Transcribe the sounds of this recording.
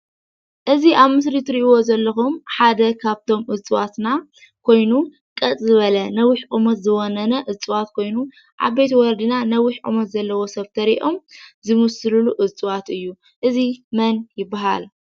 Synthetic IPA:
ʔɨziʔaβmɨsɾit̪ʰɨɾiʔwo̞zɐlːɐxumħad̪ɐkʰaβt̪ʰo̞mʔɨt͡sʼɨwat̪na | kʰo̞jnu | kʼɐt͡sʼzɨβɐlɐnɐwiħʔʼumɐt̪zɨwonɐnɐʔɨt͡sʼɨwat̪kʰo̞jnu | ʔa̰βe̞t̪wɔɾd̪ɨnanɐwɪħʔʼṵmɐt̪zɐlːɐwo̞sɐβt̪ʰɐɾiʔomzɨmusɨluluʔɨt͡sʼɨwat̪ɨjːu | ʔɨzimɐnjɪbːaɦa̰l

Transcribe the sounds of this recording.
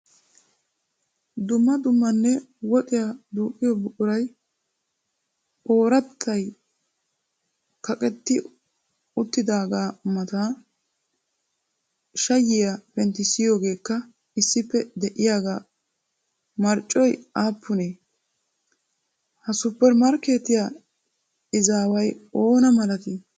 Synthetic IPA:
d̪ʊmːɐd̪ʊmːɐnːɛ | wɔt̪ʼɪjad̪uːkʼːɪjɔbʊʔʊɾɐj | ʔo̞ːɾɐt̪ʰːɐj | kɐkʼɛt̪ːɪ | ʊt̪ːɪd̪aːɡaːmɐt̪aː | ʃɐjːɪjapɛnt̪ːɪsɪjo̞ːɡe̞ːkːɐ | ɪsːɪpːɛd̪ɛʔɪjaːɡaː | mɐɾt͡ʃʼɔjaːpːʊneː | hɐsʊpːɛɾmɐɾke̞ːt̪ɪja | ɪzaːwɐjo̞ːnɐmɐlɐt̪ɪ

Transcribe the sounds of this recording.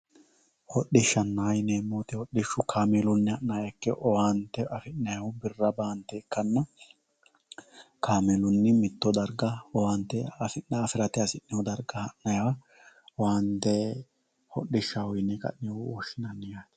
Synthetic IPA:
hɔɗɪʃːɐnːajnemːoːt̪ɪhɔɗːɪʃːʊkʰaːmɛlʊnːɪɐʔːajɐkːɛʔɔwant̪ːɛʔɐfɪnnɐjɐwʊbɪrːɐbaːnt̪ːɛɪkːɐnːɐ | kaːmɛlʊnːɪmɪt̪ːɔd̪ɐɾɡɐɔwant̪ːɛɐfɪnːɐɐfɪɾɐt̪ɛɐsɪʔːɛɔd̪ɐɾɡɐhɐʔnɐjɐwɐ | ɔwant̪ːɛ | hɔɗːɪʃːɐwɔjɪnːɛkʼɐ̰ʔnɛwɔʃːɪnɐnːɛjaːt̪

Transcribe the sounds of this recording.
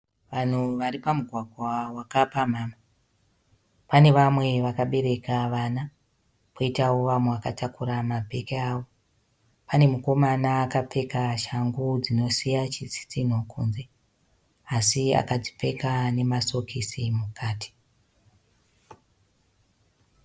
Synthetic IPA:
ʋan̤uʋaɾipamuɡʱwaɡʱwawakapam̤aːma | pane̞ʋamwe̞ʋakaɓe̞ɾe̞kaʋana | poitawoʋamweʋakatakuɾamabʱe̞keaːʋo | pane̞muko̞manaːkap͡fe̞kaʃaŋɡud͡zino̞sijat͡ʃisi̥t͡sin̤okʰṵːnze̞ | asia̰kad͡zi̥p͡fe̞kane̞maso̞kʰisimukaːtʰi̥

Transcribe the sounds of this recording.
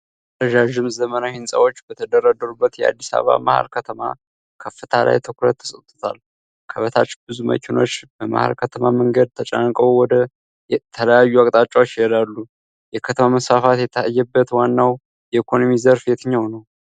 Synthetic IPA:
ɾəd͡ʒaʒɪmzəmənahɪnsʼə̰wo̞t͡ʃːbət̪ʰəd̪əɾad̪əɾubːət̪jɛa̰d̪ːisa̰βa̰maha̰lkʰət̪ʰəma̰ | kʰəfːɨt̪ʰalʔa̰jt̪ʰɨkɾət̪ːə̥sʼət̪ʼːut̪ʰa̰l | kʰəβət̪ʰat͡ʃːbɨzumə̰kʰɪno̞t͡ʃːbəma̰ha̰lkʰət̪ʰəmaməŋɡəd̪̚t̪ʰət͡ʃʼankʼəwwɔd̪ə | t̪ʰələjajːuakʼt̪ʼat͡ʃʼːawot͡ʃːɪjɛlalːu | jɛkʰət̪ʰəmaməsfafat̪ajɛbːət̪wanːaw | jɛikʰo̞nomizəɾfjet̪ʰɨɲːawnəw

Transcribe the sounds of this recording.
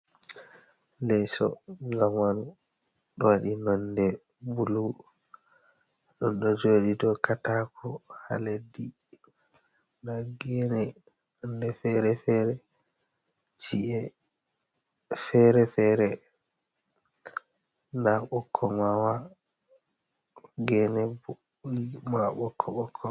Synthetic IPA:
lɛsɔ̰zamanu | ɗɔwaɗinɔndɛ | bulu | ɗɔnɗɔd͡ʒoːɗidɔkatakʰɔha̰ledːi | naɡɛnɛ | nɔndɛfɛɾɛfɛɾɛ | t͡ʃiʔɛ | fɛɾɛfɛɾɛ | ndaɓɔkʰːɔmawa | ɡɛnɛ | mawaɓɔkʰːɔɓɔkʰːɔ

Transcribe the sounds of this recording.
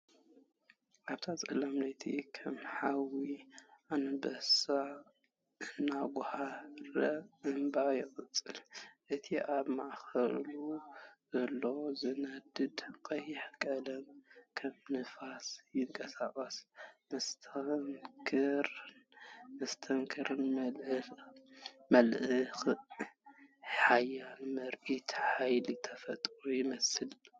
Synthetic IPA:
ʔaβt̪ʰat͡sʼɐlamlɐjt̪ʰḭkʰɐmħawiʔanɐbɐsa | ʔɨnːaɡʊhaɾɐʔɨmbajɪxʼɨt͡sʼɨlʔɨt̪ʰiʔaβmaʔxɐ̰luzɐlːozɨnɐd̪ɨd̪kʼɐjːɪħkʼɐlɐmkʰɐmnɨfasjɪŋkʼɐsakʼɐsmɐst̪ʰɐŋkʰɨɾ | mɐst̪ʰɐŋkʰɨɾɨnmɐlɨ | mɐlʔɨx | ħajːanmɐɾʔit̪ħajlit̪ʰɐfɐt̪ʼɾujɪmɐsɨl

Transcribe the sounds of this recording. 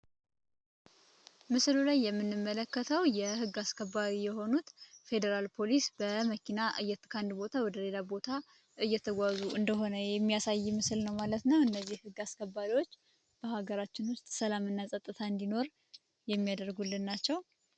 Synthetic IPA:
mɨslulajːɛmːɨnːɨmːələkːət̪ʰəwjɛhɨɡːaskʰəbːaɾijɛɦo̞nut̪fe̞d̪əɾalpʰo̞lisbəməkʰinaʔɨjːɛt̪ːɨkʰand̪bo̞t̪ʰawɔd̪əle̞labo̞t̪ʰa | ɨjːɛt̪ʰəɡʷazuʔɨnd̪əɦo̞nəjɛmːijasajːmɨsɨlnəwmalət̪nəwɨnːəzːihhɨɡːaskʰəbːaɾiwo̞t͡ʃː | b̥əhaɡəɾat͡ʃːɪnwʊst̪ʼsəlamɨnːasʼət̪ʼːɨt̪ʰaɨnd̪ino̞ɾ | jɛmːijad̪əɾɡulːɨnːat͡ʃːɛw

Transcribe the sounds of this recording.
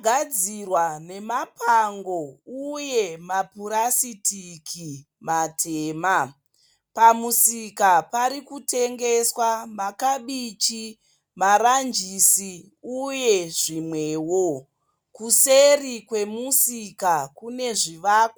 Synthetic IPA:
ɡʱad͡zirwane̞mapʰaŋɡouje̞mapuɾasitikʰi | matʰeːma | pamusikapaɾikute̞ŋɡe̞swamakaɓit͡ʃi | maɾand͡ʒisi | uje̞ʐimwe̞ːwo | kuserikwe̞musikakune̞ʐiʋaːko

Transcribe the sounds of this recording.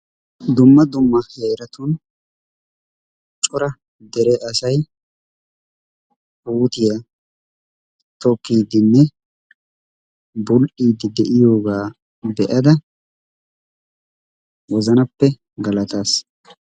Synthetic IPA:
d̪ʊmːɐd̪ʊmːɐheːɾɐt̪ʊn | t͡ʃʼʊɾɐ | d̪ɛɾɛʔɐsɐj | uːt̪ɪjɐ | t̪ɔkːiːd̪ɪnːɛ | bʊlʔiːd̪ɪd̪ɛʔɪjo̞ːɡaː | bɛʔɐd̪ɐ | wɔzɐnɐpːɛ | ɡɐlɐt̪aːs

